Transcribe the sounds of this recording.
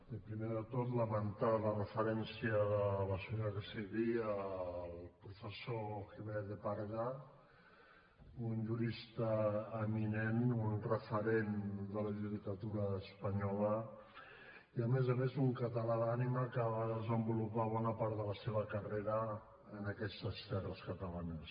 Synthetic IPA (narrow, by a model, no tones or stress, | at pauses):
d̪əpɾimeðət̪ot̪ləβənt̪aðlərəfəɾɛnsiəðələsuərəsiβiəlˠpɾufəsoxiβeɾðəpaɾɣa | unʒuɾist̪əːminenunrəfəɾend̪ələʒuðikət̪uɾəːspəɲɔlə | iəmezəmezuŋkət̪əlaðaniməkaβaðəzəmbulupaβɔnəpaɾt̪ðələseβəkəreɾəː | nəkɛst̪əst̪ɛrəskət̪əlanəs